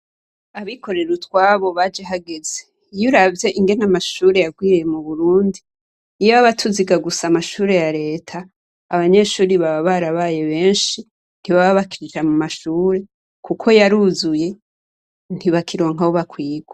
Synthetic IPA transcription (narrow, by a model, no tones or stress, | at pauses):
aβiko̞ɾe̞ɾutwaːβo̞βad͡ʒeɦaɡeze̞ | juɾavje̞ʔiŋɡe̞namaʃuːɾe̞jaɡwiːɾjemuβuɾuːndiː | jaβaβatʰuziɡaɡusamaʃuːɾe̞jaɾe̞ːtʰaː | βaɲe̞ːʃuːɾiβaβaβaɾaβaje̞βe̞ːnʃi | n̥iβaβaβakiɾid͡ʒamumaʃuːɾe̞ | kukʰo̞jaɾuzuje̞ | n̥iβakiɾo̞ːŋɦaβoβakwiːɡwa